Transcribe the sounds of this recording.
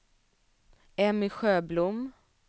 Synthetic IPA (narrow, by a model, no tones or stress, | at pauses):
ɛmɪɧøːblʊm